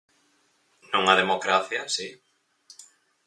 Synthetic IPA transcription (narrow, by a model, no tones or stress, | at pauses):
nõŋaðemokɾaθjasi